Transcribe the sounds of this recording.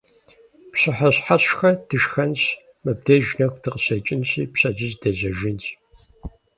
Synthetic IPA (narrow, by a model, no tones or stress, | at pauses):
pɕɨħɐɕħaɕxɐdɨʃxɐns | mɨb̚dɐʒnɐxʷtʰɨqəsɐt͡ʃʼɪnsiːpɕɐd͡ʒɨzdɐzɐʒɪns